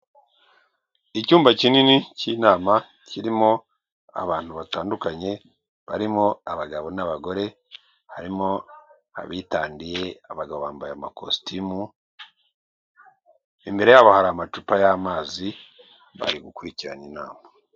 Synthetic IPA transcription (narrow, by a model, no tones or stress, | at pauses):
icuːmbacininiciːnaːma | ciɾimo̞ | a̰βaːn̥huβataːndukaɲe̞ | βaɾimo̞aβaɡaβo̞naβaɡo̞ɾe̞ | haɾimo̞ | a̰βitaːndije̞aβaɡaβo̞βaːmbajamako̰stimu | imbe̞ɾe̞jaβahaɾamat͡ʃupajamaːzi | βa̰ɾiɡukuɾiciɾanina̰ːma